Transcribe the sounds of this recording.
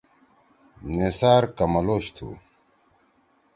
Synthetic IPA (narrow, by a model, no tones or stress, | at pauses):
nesaːɾkɐmɐloːɕt̪ʰṵ